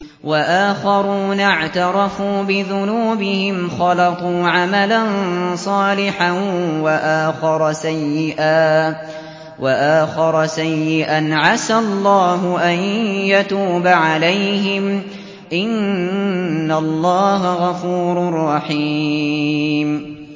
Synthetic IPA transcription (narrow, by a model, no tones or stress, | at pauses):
waʔaːxɑɾuːnaʕt̪ɑɾˤɑfuːbɪðʊnuːbɪhɪmxɑlɑt̪ˤuːʕamalansˤɑːlɪħawaʔaːxɑɾˤɑsajːɪʔaː | waʔaːxɑɾˤsajːɪʔanʕasalˤːɑːɦʊʔajjat̪uːbaʕalajɦɪm | ʔɪnː | alˤːɑːɦaɣɑfuːɾʊrˤːɑħiː | m